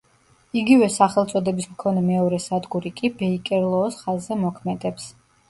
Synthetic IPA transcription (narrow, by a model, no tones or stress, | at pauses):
iɡivɛsaχɛlˠt̪sʼɔd̪ɛbismkʰɔnɛmɛɔɾɛsad̪ɡuɾikʼibɛikʼɛɾlˠɔːsχazːɛmɔkʰmɛd̪ɛps